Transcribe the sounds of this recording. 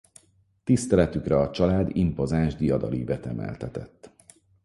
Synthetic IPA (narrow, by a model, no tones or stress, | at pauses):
t̪ist̪ɛlɛt̪ykrɛɒt͡ʃɒlaːd̪impo̞zaːʒd̪ijɒd̪ɒliːvɛt̪ɛmɛ̰lt̪ɛt̪ɛt̪ː